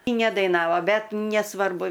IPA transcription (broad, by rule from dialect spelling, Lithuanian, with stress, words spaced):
ˈɪ nʲɛdɐɪˈnɑːʋoː ˈbʲɛt nʲɛsˈʋɐrbʊ